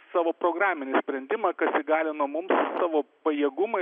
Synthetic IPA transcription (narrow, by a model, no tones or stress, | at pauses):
sɑːʋoːpɾoːɡɾɑːmʲɪnʲɪsʲpʲɾʲɛnʲd̪ʲɪmɐkɐsɪɡɑːlʲɪnuɔmʊmssɑːʋoːpɐjiɛɡʊmɐ